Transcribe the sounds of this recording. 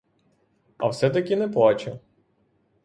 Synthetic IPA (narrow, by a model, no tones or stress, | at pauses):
ɐ̰wsɛt̪ɐkʲinɛplˠɑt͡ʃʊ